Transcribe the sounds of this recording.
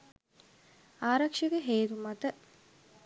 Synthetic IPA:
aːɾɐkʂəɡəɦeːt̪umɐt̪ə

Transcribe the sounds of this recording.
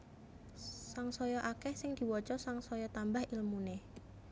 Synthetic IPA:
saŋsɔjɔʔakɛhsɪŋd̪̥i̤wɔt͡ʃɔsaŋsɔjɔt̪ambahilmune

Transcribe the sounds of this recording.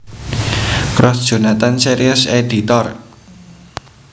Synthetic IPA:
kɾɔsd̥ʒ̥o̤nat̪anseɾiʊsedit̪ɔr

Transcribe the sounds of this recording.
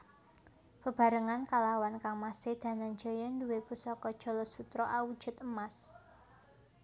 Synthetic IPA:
b̥ə̤b̥ä̤ɾəŋankalawankaŋmasɪhd̪̥a̤naŋd͡ʒɔjɔnduwepusɔkɔd̥ʒ̥ɔ̤lɔsut̪ɾɔʔawud̥ʒ̥ʊ̤t̪̚əmas

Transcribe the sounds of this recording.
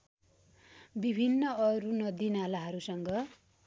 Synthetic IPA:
bibʱinːʌʌɾunʌd̪inalaɦʌɾusʌŋɡʌ

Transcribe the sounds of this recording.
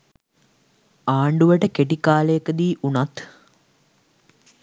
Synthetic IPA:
aːɳɖuʋəʈəkeʈikaːləjəkəd̪iːʔunat̪

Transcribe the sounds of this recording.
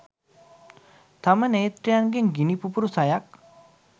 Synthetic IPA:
t̪ɐmənejt̪ɾijanɡeŋɡinipupuɾusajak̚

